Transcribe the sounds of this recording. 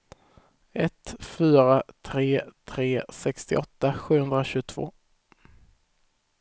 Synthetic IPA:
ɛt̪fyːɾat̪ʰɾeːt̪ʰɾeːsɛkst̪ɪ̰ʔɔt̪ːaɧʉ̟ːhɵnd̪ɾaɕʉɡt̪ʰvo̰ː

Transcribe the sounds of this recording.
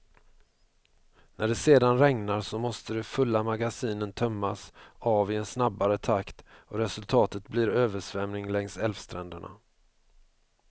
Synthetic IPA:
nʔæɖɛseːd̪anɾɛŋnaɾʂɔmɔst̪əd̪ɛfɵlːamaɡasiːnənt̪ʰœmːasɑːvɪɛnsnabːaɾət̪ʰakt̪ɔɾɛsɵlt̪ʰɑːt̪ət̪bliːɾøːvəʂvɛmnɪŋlɛŋsɛlvst̪ɾɛnd̪əɳa̰

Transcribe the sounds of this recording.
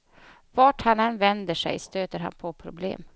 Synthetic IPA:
vɑʈhanɛnvɛnd̪əʂɛ̰jst̪øːt̪əɾɦa̰npʰɔpʰɾʊblḛːm

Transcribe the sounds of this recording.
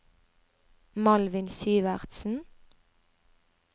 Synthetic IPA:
mɑlʋɪnsyːʋæʁt̪sn̩

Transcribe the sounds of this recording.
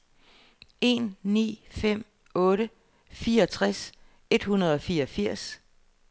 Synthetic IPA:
e̝nːḭːfem̰ | ɔ̽ːɾə | fiːɐɒ̽t͡sʰʁas | e̝d̥hunɐð̞ˠɒ̽fiːɐɒfiɐ̰s

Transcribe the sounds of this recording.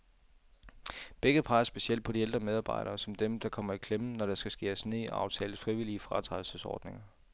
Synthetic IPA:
b̥eɡ̥ð̩ˠpʰɑ̈ɪɐsb̥e̝siel̰̥̚pʰɒ̽dield̥ʁɐmeðˠɑ̈ːb̥ɑ̈ɪɾ̥ɐːsɒ̽md̥emd̥ɑ̈kʰɒ̽m̰ɐækʰlemənɒɾ̥ɑ̈sɡ̥æsɡ̥e̝̰ːæsne̝̰ʔɑ̈ʊt͡sʰɛ̰ːlð̩ˠfʁiʋiliəfʁɑ̈t͡sʰʁḁl̩səsɒ̰ːd̥ne̝ŋɐ

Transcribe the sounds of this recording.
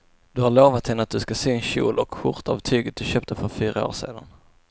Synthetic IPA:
d̪̥ɵhaɭoːvat̪hɛnːəat̪̚d̪ɵskaseːɛnɕṵːlʔɔkɧʊɾt̪aa̰vt̪ʰyːɡət̪̚d̪ɵɕøːp̚t̪əfœɾfyːɾao̰ːʂḛːd̪a̰n

